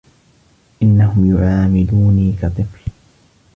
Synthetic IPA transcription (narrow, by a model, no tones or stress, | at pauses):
ʔɪnːahʊmjʊʕaːmɪd̪uːniːkɑt̪ˤɨfl